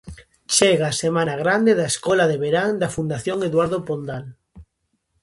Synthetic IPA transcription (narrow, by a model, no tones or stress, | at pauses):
t͡ʃeɣaːsemanaɣɾand̪eðaeskɔlaðeβeɾaŋd̪afund̪aθjoŋeðwaɾðopond̪al